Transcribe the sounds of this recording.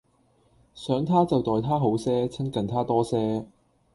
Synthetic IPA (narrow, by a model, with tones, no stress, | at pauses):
sœː˨˥ŋt̪ʰaː˥t͡sɐ˨wt̪ɔː˨jt̪ʰaː˥ɦo˨˥wsɛː˥t͡sʰɪ˥ŋkɐ˨nt̪ʰaː˥t̪ɔː˥sɛː˥